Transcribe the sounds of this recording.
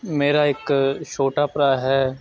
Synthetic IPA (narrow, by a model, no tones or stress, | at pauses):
meːɾaeːkʃʰoːʈapɾaːjɦɛː